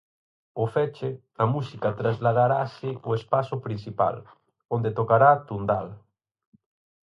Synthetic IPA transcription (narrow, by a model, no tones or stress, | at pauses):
ʊfɛt͡ʃɪ | ɐmusikat̪ɾazlaðaɾasɪoespasʊpɾin̟sipa̰l | ond̪et̪okaɾaːt̪und̪al